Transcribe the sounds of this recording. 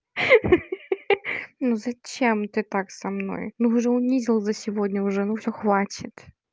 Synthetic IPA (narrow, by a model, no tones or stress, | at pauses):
nuzɐt͡ɕemt̪ɨt̪aksɐmno̞̰jnuʐɛʊnʲizʲɪlˠzəsʲɪvodʲnʲəʊʐɛnufsʲoxvat͡ɕʲɪt̪